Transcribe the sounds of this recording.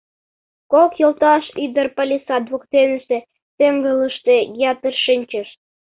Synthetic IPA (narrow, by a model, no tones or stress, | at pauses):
kokjolt̪ɑʃid̪ərpɑlʲisɑd̪βokt̪enəsĕ | t̪eŋɡələʃt̪ejɑt̪ərʃinʲt͡ɕə̆ʃ